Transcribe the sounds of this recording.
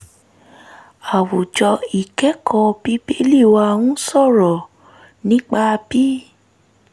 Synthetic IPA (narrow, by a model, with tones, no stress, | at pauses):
a˨wu˨d͡ʒɔ˧i˨kɛ˨˦kʰɔ̃˧bi˦be˦li˦˨wa˧wũ˦sɔ˦˨ɾɔ˨ | nĩ˨˦k͡pa˦˧bi˦